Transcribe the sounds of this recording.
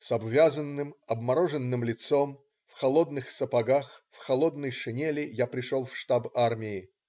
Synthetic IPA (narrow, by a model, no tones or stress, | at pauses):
sɐbvʲazənːɨmɐbmɐɾoʐɨnːɨmlʲɪt̪som | fxɐlˠod̪nɨxsəpɐɡaxfxɐlˠo̞d̪nəjʂɨnʲelʲɪjapɾʲɪʂolˠfʂt̪abarmʲɪɪ